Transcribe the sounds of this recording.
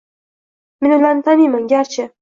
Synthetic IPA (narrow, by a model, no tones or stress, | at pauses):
mɪnɪlant̪ʰanimanɡʲaɾt͡ʃʰɪ